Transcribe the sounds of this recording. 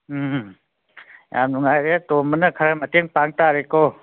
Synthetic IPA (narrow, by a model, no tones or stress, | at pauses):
ja̰mnuŋajɾetomənəkʰaɾaməteŋpaŋtaɾeko